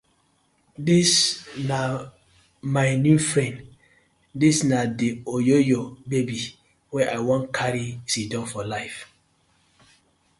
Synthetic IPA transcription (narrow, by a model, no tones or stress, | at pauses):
disna | majnjufɹɛ̃n | disnadiojojɔbebi | wɛʔajwɔ̃nkʰaɾisidɔ̃mfɔlaɪf